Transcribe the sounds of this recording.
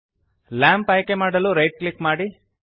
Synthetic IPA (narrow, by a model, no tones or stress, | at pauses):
laːmpɐjkemaːɖɐluɾɐjʈ̚klikmaːɽi